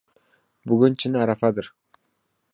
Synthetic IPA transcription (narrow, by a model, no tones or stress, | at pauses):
bʊɡʲʊnt͡ʃʰɪnaɾafad̪ɪɾ